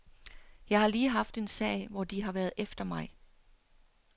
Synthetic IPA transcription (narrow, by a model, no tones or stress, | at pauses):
jɑ̈ɪhɑ̈liːɦɑ̈fd̥e̝nsɛ̰ɪʋɒd̥iɦɑ̈ʋæːɐðˠʔefd̥ɐmɑ̈ɪ